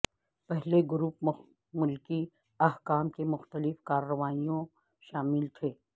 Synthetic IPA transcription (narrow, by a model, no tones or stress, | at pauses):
pɛɦleɡʊɾuːp | mʊlki | ɐɦkaːmkemʊxt̪əlɪfkaːɾːəʋaːijõ | ʃaːmɪlt̪ʰeː